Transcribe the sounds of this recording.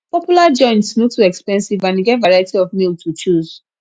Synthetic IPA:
pɔpjulad͡ʒɔ̃ɪ̃ntsnotuɛkspɛ̃nsivãniɡɛtvaɹajtiɔvmiltʰut͡ʃuz̥

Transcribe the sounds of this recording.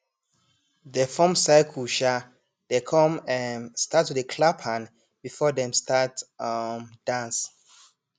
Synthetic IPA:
ðəfɔ̃msaɪkʰuʃa | dekʰɔ̃mɛ̃nstatʰːuðəkʰlapʰãn | b̥ifɔdɛ̃mstatmd̥ãns

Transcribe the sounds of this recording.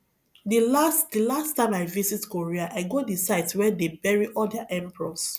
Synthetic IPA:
dilastdilastːãɪ̃maɪvisitkoɹiaʔaɪɡɔdisaɪtswɛdebɛɹiʔɔldaʔɛ̃mpɹɔs

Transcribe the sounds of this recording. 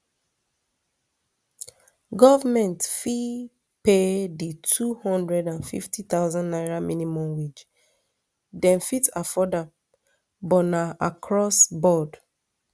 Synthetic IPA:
ɡɔvamɛ̃ntfi | peditʰuhɔ̃ndɹɛdãnfḭftʰit̪aʊzɔ̃nnaɪɹaminimɔ̃mwid͡ʒ | dɛ̃nfitʰafɔda | bɔnaakʰɹɔsbɔd

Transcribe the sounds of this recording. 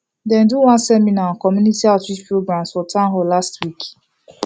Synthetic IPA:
dɛ̃nduwãnsɛminakɔmjunitiatwispɾoɡɾãmsfɔtãɦɔlastwik

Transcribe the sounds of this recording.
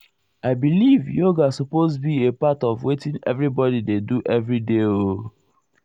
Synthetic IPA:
aɪbilivjoɡasɔpozbiepatɔvwetĩŋɛ̰vɹibɔdideduʔɛvɹideo

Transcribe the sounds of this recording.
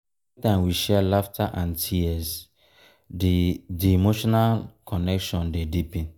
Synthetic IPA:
tãɪ̃mwiʃɛlaftʰaʔãntʰiɛs | ddiimoʃɔnalkʰɔnɛkʃɔ̃ndedipĩn

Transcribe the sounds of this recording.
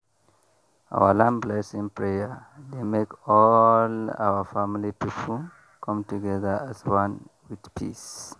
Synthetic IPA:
a̰wəlãmblɛsĩŋpʰɹeəd̪emekɔla̰wəfamilipʰipʰl̩ | kʰʌ̃mtuɡɛðə˞aswʌ̃nwið̥pʰḭs

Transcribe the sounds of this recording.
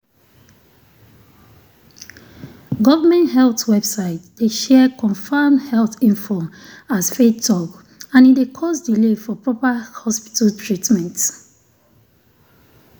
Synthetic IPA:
ɡɔvamɛ̃nthɛlθwɛb̥saɪtd̥eʃɛkʰɔ̃ɱfãmhɛlθĩnfoasfeɔk | ãnidekʰɔsdilefɔpɹɔpahɔspi̥taltʰɹitmɛ̃nt

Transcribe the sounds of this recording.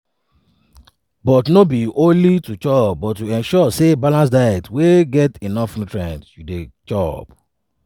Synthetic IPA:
bɔtnobiʔõnlitut͡ʃɔpbɔtjuɛ̃nʃɔsebalãnsdaɪɛk̚tweɡɛtinɔfnutɹɛ̃ntjudet͡ʃɔp

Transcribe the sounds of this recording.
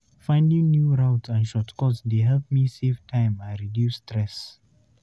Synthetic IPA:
fãɪ̃ndĩŋnjuɹaʊtãnʃɔtkɔtsdeɦɛlp̚miseftʰãɪ̃mãnɹidjusːtʰɹɛs

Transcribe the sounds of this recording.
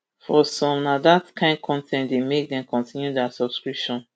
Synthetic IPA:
fɔsɔ̃mnadatkʰãɪ̃ndkʰɔ̃ntʰɛ̃ntdemek̚dɛ̃mkʰɔ̃ntʰĩnjudasɔb̥skɹipʃɔ̃n

